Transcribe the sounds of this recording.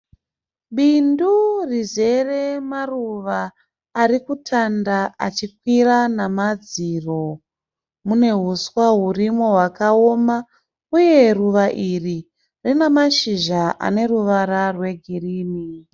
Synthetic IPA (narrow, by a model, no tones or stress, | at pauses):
ɓindurize̞re̞maruʋaː | rikutʰandaa̰t͡ʃikwiranamad͡ziro̞ | mune̞ɦuswaɦurimo̞ɦwakao̞ma | uje̞ruʋaʔiri | rinemaʃiʒaʔa̰ne̞ruʋaɾarwe̞ɡʱiriːni